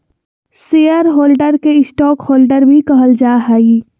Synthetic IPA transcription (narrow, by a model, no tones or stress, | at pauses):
seːjəɾɦoːlɖəɾkeɪsʈɔːkhoːlɖəɾbʱikɐɦəld͡ʒaːɦaːi